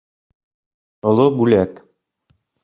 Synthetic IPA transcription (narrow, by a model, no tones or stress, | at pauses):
ŏlˠobʉlæk